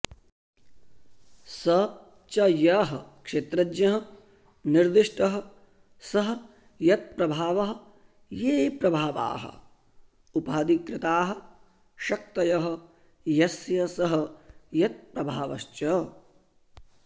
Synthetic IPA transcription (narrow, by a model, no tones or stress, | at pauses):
sɐ | t͡ʃɐjɐɦɐkʂeːt̪ɾɐd͡ʒɲɐɦɐ̆ | niɾd̪iʂʈɐɦɐ̆ | sɐɦɐ | jɐt̪̚pɾɐbʱaːʋɐɦɐ̆ | jeːpɾɐbʱaːʋa̰ːɦɐ̰ | upɐd̪ikɾɪt̪aːɦɐ | ʃɐk̚t̪ɐjɐɦɐ̆ | jɐsjɐsɐɦɐ̆jɐt̪̚pɾɐbʱaːʋɐʃt͡ʃɐ